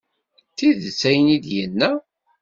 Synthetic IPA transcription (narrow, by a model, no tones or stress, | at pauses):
θiðsæjənid̪jənːæ